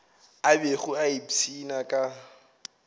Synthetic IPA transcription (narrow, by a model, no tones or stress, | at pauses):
abeχʊaibt͡sʰinakʼa